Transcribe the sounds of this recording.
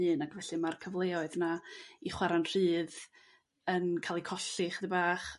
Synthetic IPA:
ɨːnaɡvɛɬɨmarkʰəvlˠeːɔɨðnaiχwaɾanr̥ɨːð | ənkʰaːlˠikʰɔɬɪχəðəbaːχ

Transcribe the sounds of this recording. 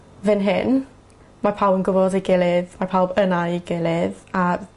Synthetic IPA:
vɪnɦɪn | marpʰawbənɡʊvɔdeɡɪlˠɪðmarpʰawbənaiɡɪlˠɪða

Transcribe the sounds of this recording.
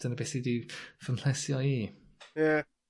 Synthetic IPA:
d̥ənəbesidifənɬɛsjɔiː | jɛ

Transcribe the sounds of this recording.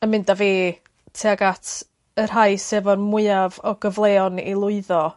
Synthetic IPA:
əmɪndaveː | tʰeaɡatʰ | ər̥ɦaɨsɛvɔnmʊɨavɔɡəvlˠɛːɔnḭlˠʊɨðɔ

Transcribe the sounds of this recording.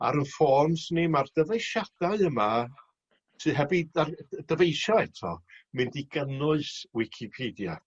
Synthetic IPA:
a̰ɾənfɔrmsnɪmard̥əvejʃad̥aɨəma | sɨɦɛbiardəvejʃɔɛtʰɔ̰mɪndiɡənʊɨswɪkʰipʰeːdja

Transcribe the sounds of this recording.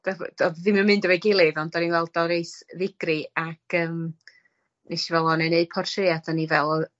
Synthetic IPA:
d̥av̰dɔððɪməmɨndəvɛɡɪlˠɨðɔndɔɾinwɛlˠdɔɾejsðɪɡriakʰəːm | nejʃivɛlˠɔnɛneɨd̥pʰɔrtʰreadʰanivɛlˠ

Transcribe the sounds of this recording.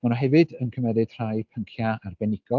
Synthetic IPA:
manɔɦɛvɨdənkʰəmɛðɨd̥r̥ajpʰəŋkʰjaarbɛnɪɡ̥ɔ

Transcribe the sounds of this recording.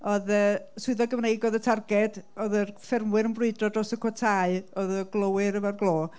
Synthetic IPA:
ɔðəːsʊɨðɔɡəvnejɡɔðətʰarɡɛdɔðərfɪrmwɨɾənbrʊɨdrɔdrɔsəkʰɔtʰaɨɔðəɡlˠəwɨɾəvarɡlˠoː

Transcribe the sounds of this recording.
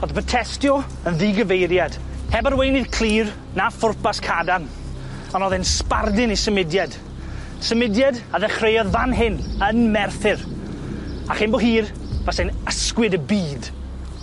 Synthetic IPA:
ɔðbətʰɛstjɔ | ənðiɡəvejɾjad̥ | hɛbarwejnɨðkʰl̥ˠiːr | nafʊrpaskʰadan | ɔnɔðɛnspardɪnisəmɪdjad | səmɪdjadaðɛχrejɔðvanɦɪnənmɛrθɪr | aχɪnbɔɦiːr | vasenəskwɪdəbiːd̥

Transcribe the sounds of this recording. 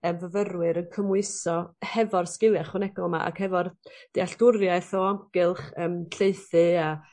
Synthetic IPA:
əːmvəvəɾwɨɾənkʰəmwɨsɔhɛvɔrskɪlˠjaχwənɛɡɔlˠma̰ʔa̰khɛvɔrd̥iaɬd̥ʊɾjaɨθɔamɡɨlˠχəːmɬeɨθɨa

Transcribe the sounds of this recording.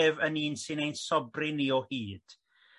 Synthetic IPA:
vəniːnsɨnejnsɔbrɪniɔhiːd̥

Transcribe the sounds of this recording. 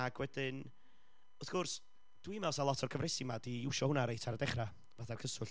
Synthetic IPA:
aɡwɛdɪn | ɔθɡ̥ɔrs | d̥wimɛlˠsalˠɔtʰɔrkʰəvrɛsimadiɪwʃɔhʊnaɾejtʰaɾadɛχra | vaθarkʰəsʊɬ

